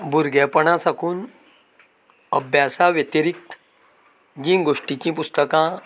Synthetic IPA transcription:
buɾɡepəɳ̃ãsɐkuːn | əbjaːsaʋjet̪iɾik̚t̪ | d͡ʑĩːŋɡoːʂʈikĩːpust̪əkã

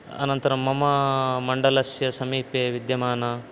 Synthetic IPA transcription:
ɐ̰nɐnt̪ɐɾɐmːɐmɐmɐɳɖɐlɐsjɐsɐmiːpeːʋid̪jɐmaːnɐ

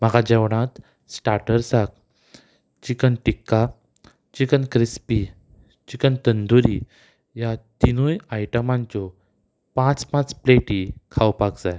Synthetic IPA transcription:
maɡad͡ʑɛʋɽ̃ãt̪ | sʈaɾʈəɾsak̚ | t͡ɕikənʈikːa | t͡ɕikənkɾispi | t͡ɕikənt̪ənd̪uɾi | jat̪inujajʈəmãɲt͡ɕɔ | pãt͡spãt͡spleʈikʰawpakd͡zaj

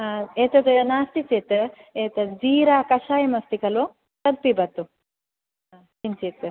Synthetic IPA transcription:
aeːt̪ɐt̪ɐɐnaːst̪it͡seːt̪ɨeːt̪ɐd͡ziːɾaːkɐʃaːjɐmɐst̪ikɐloː | t̪ɐd̪̚pibɐt̪ːu | a | tint͡ʃeːt̪ɨ

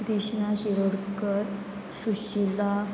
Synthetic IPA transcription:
ɾiɕnaɕiɾoɽkəɾ | ɕuɕila

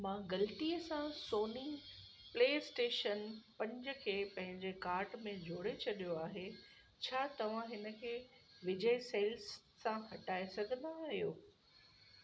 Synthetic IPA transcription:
mãːɡɐlt̪iːəsãsoːni | pleːsʈeːʃənpɐ̃ɲd͡ʑə̆kʰeːpɐ̃ɦɪ̃ɲd͡ʑekaːɾʈmẽd͡ʑʱoːɽet͡ɕʰɐɗijoaːɦe | t͡ɕʰaːt̪ɐʋ̤ãɦɪnə̆kʰeːʋɪd͡ʑəiseːlsː | ãɦɐʈaːesɐɡʱə̃nd̪aːɦijoː

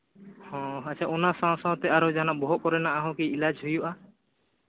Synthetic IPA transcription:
hɔ̃at͡ʃʰaʔɔnasãw̃sãw̃t̪ɛaɾɔd͡ʒanaʔbɔɦɔʔkɔɾɛnaʔaɦɔ̃kiilad͡ʒɦujuʔa

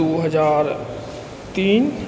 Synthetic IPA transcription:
oːɦəzaːɾ | t̪iːn

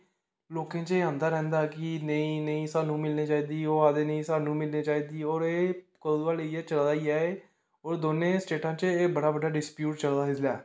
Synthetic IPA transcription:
loːkẽːt͡ʃeːãːnd̪aːɾɛ̃ːnd̪aːkɪnəĩːnəĩːsaːnũːmɪlneːt͡ʃaːiːd̪iːoːaːd̪eːnəĩːsaːnũːmɪlneːt͡ʃaːiːd̪iːɔːɾeːkəd̪aːleiɛːt͡ʃəld̪aːiaːeː | ɔːɾd̪oːnẽːsʈeːʈãːt͡ʃeːbəɽaːbəɖaːɖɪspjuːʈ̚t͡ʃəld̪aːɦɪsla̰ː

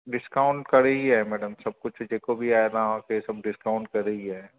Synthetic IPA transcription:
ɖɪskaːʊ̃ɳʈkɐɾəɦiɦɛːmɛːɖəmsɐb̚kʊt͡ʃʰd͡ʒeːkobʱiaːeɾaãkesɐb̚ɖɪskaːʊɳʈ̚kɐɾːəɦiɦɛː

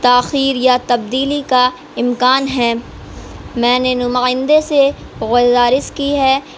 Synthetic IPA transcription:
t̪aːxiːɾjat̪ɐb̚d̪iːlika | ɪmkaːnɦɛː | mɛ̃ːnenʊmaːɪ̃nd̪ese | ɣʊzaːɾɪskiɦɛː

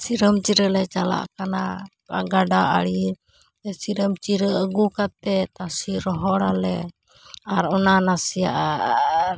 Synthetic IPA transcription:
siɾəmt͡ʃiɾəlɛt͡ʃala̰ʔkana | ka̰ɡaɖaa̰ɽi | ɛsiɾəmt͡ʃiɾəəɡukat̪̚ɛt̪asiɾɔɦɔɽalɛ | aɾɔnanasija̰ʔ

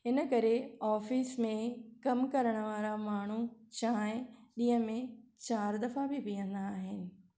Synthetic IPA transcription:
ɪnə̆kɐɾeɔːfismẽkɐmkɐɾəɽ̃ə̆ʋaːɾamaːɳ̤ut͡ɕaːɪ̃ɗĩːɦə̃mẽt͡ɕaːɾd̪ɐfabɪpijə̃nd̪aːɦɪnɪ̆

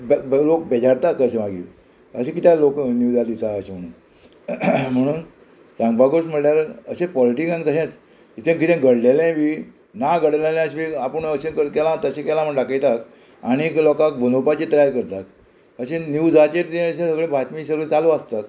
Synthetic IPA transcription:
blok̚bed͡ʑaɾt̪akəɕẽʋaɡḭːl | əɕẽkit̪jaloknjud͡zad̪it̪aəɕẽm̤əɽ̃ṵːn | m̤əɽ̃uːn | sãŋɡbaɡosm̤əɽljaɾəɕẽpɔliʈikãnkəɕãt͡s | it̪ʰẽkit̪ẽɡəɽlelɛ̃ʋi | naɡəɽelɛlɛ̃əɕiapəɳəɕẽkəkɛlãt̪əɕẽkɛlam̤əɳɖakəjt̪ak | aɽ̃iklɔkãkbʱənopat͡ɕit̪əjaɾkəɾt̪ak̚ | əɕẽnjud͡zat͡ɕẽt̪t̪ẽəɕẽsəɡɭẽbʱat̪misəɾʋət͡saloəst̪ak

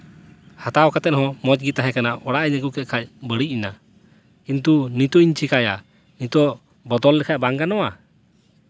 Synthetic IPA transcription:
hat̪awkat̪ɛt̪̚hɔ̃mɔt͡ʃɡit̪aɦɛ̃kanaʔɔɽaʔɛɲəɡukɛt̪̚kʰac̚bəɽicina | kint̪unit̪ɔiɲt͡ʃikaja | nit̪ɔʔ | bɔd̪ɔlːɛkʰaʔ̚baŋɡanɔwa

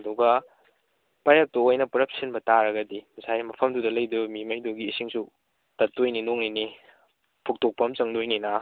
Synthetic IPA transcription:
ɐduɡɐ | pajap̚toojnɐpɾɐp̚sinbɐtaɾɐɡɐdimsajmɐpʰɐmdudɐlɐjdubɐmimɐjdoɡiːsiŋsu | tɐtːojninoŋnini | pʰuk̚tok̚pɐmt͡ʃɐŋdojnina

